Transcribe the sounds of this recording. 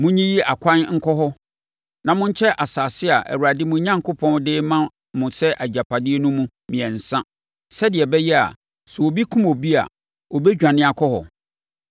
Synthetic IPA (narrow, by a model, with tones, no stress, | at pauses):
mʊ̃˦ɲĩ˦ji˦a˨kʰʷã˦nŋ̩˦kʰɔ˦ɦɔ˦ | nã˨mʊ̃˦ɲ̩˦t͡ɕʰɛ˦ʔa˨saː˨sɪ˦a˨ʔæ̰˨wu˨ɾa˨dɪ˦mʊ̃˦ɲã˦ŋkʰʊ˦pʰɔ̃˦ndɪː˦mã˦ | mʊ̃˨sɛ˦ʔæ˨d͡ʑa˨pʰa˨dɪ˦e˦nʊ̃˦mũ˦ | mĩ˨ɛ̃˨n̩˨sã˦ | sɛ˦dɪ˨ɛ˨bɛ˦jɛ˦a̰˨ | sɛ˨o˨bi˦kʰũ˦mo˨bi˦a̰˨ | ɔ˨bɛ˦d͡ʑᶣã˨nɪ̃˦a˨kʰɔ˦hɔ̰˨